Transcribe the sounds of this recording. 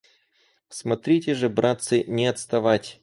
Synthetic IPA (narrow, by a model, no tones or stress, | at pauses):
smɐt̪ɾʲitʲɪʐɨbɾat̪sɨnʲɪɐt̪st̪ɐvatʲ